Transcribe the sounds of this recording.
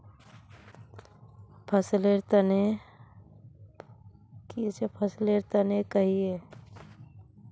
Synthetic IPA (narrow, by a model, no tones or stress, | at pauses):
pʰəsleɾt̪əne | kit͡ʃepʰəsleɾt̪ənekəɦie